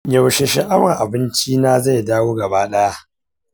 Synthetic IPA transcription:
jɐ˨wʃe˨ʃɪ˦ʔa˦wɐ˨ʔa˨bɪ˦nt͡ʃiː˦naː˦za˦˨jdaː˦woː˦ɡɐ˨baː˦ɗɐ˦ja˦ʔ

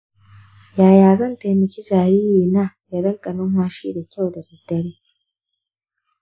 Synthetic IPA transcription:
jaː˨jaː˨zɐ˦˨nta˨jmɐ˨kʲi˦d͡ʒaː˨ɾiː˦jiː˨naː˦˨ja˨ɽɐ˦ŋkʼɐ˨nʊ˦ŋhaː˦ʃḭ˦da˨kʲa˦˨wda˨bɪ˨dɐ˦ɽiː˦

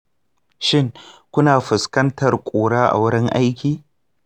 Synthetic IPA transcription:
ʃɪ˦ŋkʷʊ˦naː˨ɸɪ˨skɐ˦ntʰɐ˨rkʷʼoː˨ɽaː˦ʔa̰˨wʊ˦ɽɪ˦ŋʔa˦jkʲiː˨

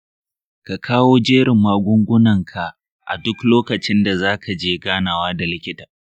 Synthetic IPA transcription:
ka˨kʰaː˦woː˦d͡ʒeː˦ɽɪ˨mːaː˨ɡʷʊ˦ŋɡʷʊ˦nɐ˨ŋkʰa˨ | ʔa̰˨dʊ˦kloː˦kɐ˨t͡ʃɪ˦nda˨zaː˦kʰa˨d͡ʒeː˦ɡaː˦naː˨waː˦da˨lɪ˦kʲɪ˦tḁː˨

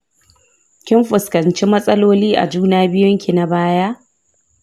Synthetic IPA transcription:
kʲɪ˦mɸʊ˨skɐ˨nt͡ʃi˦mɐ˦sʼɐ˦loː˦liː˦ʔa̰˨d͡ʒuː˦naː˦bɪ˦jʊ˦ŋkʲi˨na˨baː˦ja˦ʔ

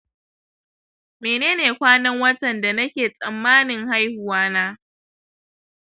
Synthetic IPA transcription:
meː˨neː˦neː˨kʷaː˦nɐ˦ŋwɐ˦tɐ˨nda˨nɐ˦kʲeː˨sʼɐ˨mːaː˦nɪ˨ŋha˦jhʊ˨waː˦naː˦

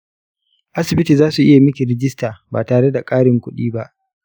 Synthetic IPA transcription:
ʔa˦sɪ˨bɪ˦tiː˨zaː˦su˨ʔɪ˦ja˨mɪ˦kʲi˨ɾɪ˦d͡ʒɪ˦staː˨baː˨taː˨ɽe˦da˨kʼaː˦ɽɪ˨ŋkʷʊ˦ɗiː˦ba˦ʔ

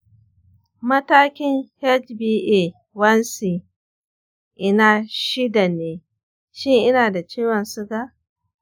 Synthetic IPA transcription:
mɐ˦taː˦kʲɪ˦ŋhɛ˦t͡ʃbiː˦ʔe˦˨ | wɐ˦nsi˨ | ʔɪ˦naː˨ʃɪ˦da˨neː˨ | ʃɪ˦ŋʔɪ˦naː˨da˨t͡ʃeː˦wɐ˨nsʊ˦ɡa˦

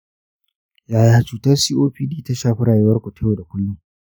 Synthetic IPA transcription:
jaː˨jaː˨t͡ʃuː˨tɐ˦rsiː˦ʔoː˦ɸiː˦diː˦ta˦ʃaː˦˨ɸɪ˦ɽaː˨jɪ˦wɐ˦rkʷo˨te˦joː˨da˨kʷʊ˦lːʊ˦ŋ

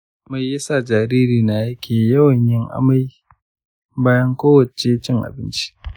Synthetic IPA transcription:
ma˨jjɐ˦sa˨d͡ʒaː˨ɾiː˦ɾiː˨na˨jɐ˦kʲʰeː˨jɐ˦wɐ˨ɲjɪ˦ŋʔa̰˦ma˦j | baː˦jɐ˦ŋkʷoː˦wɐ˨t͡ʃe˦t͡ʃɪ˦ŋʔa̰˨bɪ˦nt͡ʃi̥˦

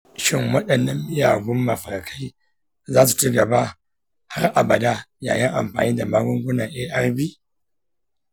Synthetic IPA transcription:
ʃɪ˦ŋwɐ˦ɗɐ˨nːɐ˦mːɪ˦ja̰ː˨ɡʷʊ˦mːɐ˨ɸɐ˨rkʰa˦j | zaː˦su̥˨t͡ʃi˦ɡɐ˨ba˦ | ha˦rʔa˨bɐ˨da˦ja̰ː˨jɪ˦ŋʔa̰˨mɸa̰ː˨niː˦da˨maː˦ɡʷʊ˦ŋɡʷʊ˦na˨ŋʔeː˦ʔɐ˦rbiː˦

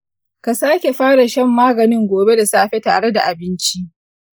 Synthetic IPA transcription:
ka˨saː˦kʲe˨ɸaː˦ɽa˨ʃɐ˦mːaː˦ɡɐ˨nɪ˦ŋɡʷoː˨be˦da˨saː˦ɸe˦ta̰ː˨ɽe˦da̰˨ʔa˨bɪ˦nt͡ʃi˦ʔ

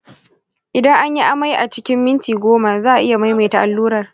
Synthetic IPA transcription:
ʔɪ˨dɐ˦ŋʔa˦ɲji˦ʔa˦ma˦jʔa˨t͡ʃɪ̥˦kʲɪ˦mːɪ˦ntiː˨ɡʷoː˦ma˨zaː˦ʔa˨ʔɪ˦ja˨ma˦jma˨ta˨ʔa˨lːuː˦ɾɐ˨r

